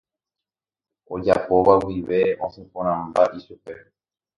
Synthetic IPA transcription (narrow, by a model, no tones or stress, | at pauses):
o̞d͡ʒapo̞ʋawiʋe̞õsẽpõɾ̃ãmbaʔiʃupe̞